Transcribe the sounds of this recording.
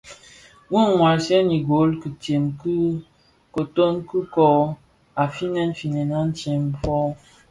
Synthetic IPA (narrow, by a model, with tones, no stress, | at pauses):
ŋu˦ŋ˨ŋwa˨ɾsɛ˦ni˨ɡo˨˦lki˨te˨mkɨ˦ | ko˨to˦nku˦kɔ˨ | a˨fi˦nɛ˦n̩˦fi˨nɛ˨na˦n̩˦t͡ʃe˨m˦fɔ˦